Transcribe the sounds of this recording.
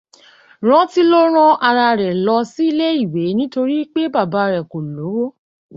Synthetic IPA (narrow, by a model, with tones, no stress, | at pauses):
ɾ̃ã˦ti˦lo˦ɾ̃ã˦ʔa˧ɾa˧ɾɛ˨lɔ˧si˦i˦˧le˦i˦˨we˨˦nĩ˦to˧ɾi˦k͡pe˦ba˦˨ba˧˦˧ɾɛ˨ko˨lo˨˦wo˦